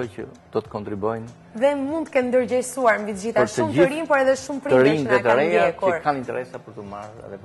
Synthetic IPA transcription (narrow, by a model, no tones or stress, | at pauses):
ɔcə | d̪̥ɔt̪ə̥kɔnt̪ɾibɔjn | ðɛmũnd̪kɛnnd̪əɾd͡ʑɛɾsuaɾmbit̪d͡ʑit̪aɔɾʃt̪əumɾinpɔɾɛðɛʃumpɾiəɾiɛt̪əɾɛjakɛɾkʰanint̪ɛɾɛsapəɾt̪əmaɾɛ̰ðɛ